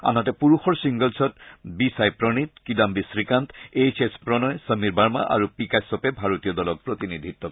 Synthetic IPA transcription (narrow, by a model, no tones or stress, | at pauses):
a̰nɔtɛpuɹuxɔɹsiŋɡəlsɔtbisajpɹɔnit̚kidambisɹikantejsespɹɔnɔjsəmiɹbaɹma̰ʔa̰ɹupikasɔpɛbʱaɹotijɔdɔlɔk̚pɹot̪inidʱit̪ːɔ